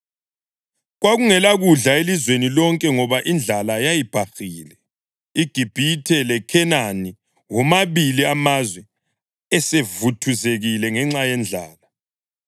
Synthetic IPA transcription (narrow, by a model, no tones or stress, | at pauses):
ɣwaɣuŋɛlaɣuɮaelizwenilɔŋkʼɛŋɔβaʔind͡ɮʱalajajib̥ʱaxiːlɛ | iɡ̥ʱib̥ʱitʰɛlɛkʰɛnani | wɔmaβiliamazwɛ | ɛsevutʰuzeɣilɛŋɛŋ͡ǁajɛnd͡ɮʱa̰ːla